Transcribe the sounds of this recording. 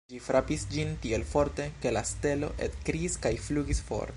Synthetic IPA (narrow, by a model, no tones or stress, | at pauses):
d͡ʒifɾʔapisd͡ʒintielfo̞ɾte̞ke̞laste̞lo̞̰ʔḛtkɾiːskajfluɡisfo̞̰ɾ